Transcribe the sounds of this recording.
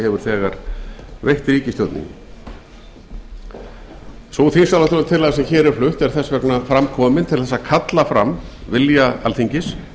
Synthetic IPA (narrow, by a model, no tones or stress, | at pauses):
hɛvʏɾ̥θɛːɣaɾ̥vejht̪ɾiːcɪst̪jɔwt̪nḭŋ | soθinsalast̪ɔɾʏnt̪ʰɪlaasɛmçɛːɾɛɾ̥flʏht̪ɛɾ̥θɛsːvɛknafɾamkʰɔːmɪnt̪ʰɪlθɛsːakʰat̪lafɾa̰mvɪljaa̰lθiɲcɪs